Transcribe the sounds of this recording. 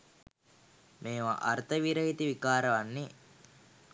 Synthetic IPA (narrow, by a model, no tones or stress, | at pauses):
meːʋaʔɐɾt̪ʰɐʋiɾɐɦit̪iʋikaːɾɐʋɐnːi